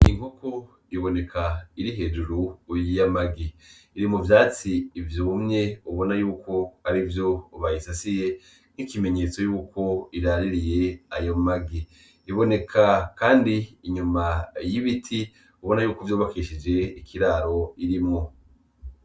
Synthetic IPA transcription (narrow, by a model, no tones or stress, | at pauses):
iŋhoko | iβo̞ne̞kʰaiɾiɦe̞ːd͡ʒuɾuːjijamaɡiiɾimuvjaːt͡siːvjumɲe̞uβo̞najuːkʰo̞aɾivjo̞ːβajisasije̞ | n̥ikime̞ɲe̞t͡so̞juːkʰo̞iɾaɾiɾije̞ajo̞maɡi | iβo̞ne̞kʰakaːndiːɲumajiβitʰi | uβo̞najuːkovjoːβakiʃid͡ʒe̞ikʰiɾaːɾo̞iɾimŋo̞